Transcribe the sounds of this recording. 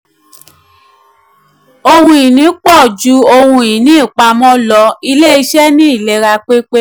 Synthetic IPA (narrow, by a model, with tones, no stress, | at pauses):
o˧hũ˧i˨nĩ˨˦k͡pɔ˦˨d͡ʒu˧˦o˧hũ˧i˨nĩ˦i˦˨k͡pa˧mɔ̃˦lɔ˧i˧le˦i˧ʃɛ˦nĩ˦i˦˨le˨˧ɾa˧k͡pe˦k͡pe˦